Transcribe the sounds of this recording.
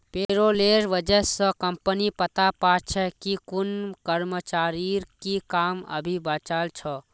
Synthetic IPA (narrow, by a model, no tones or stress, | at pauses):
peɾoleɾʋəd͡ʒəsə̃kəmpənipət̪apaːt͡ʃʰɛkikʊnkəɾmət͡ʃaːɾikikamə̰bʱibaːt͡ʃaːlt͡ʃʰɔ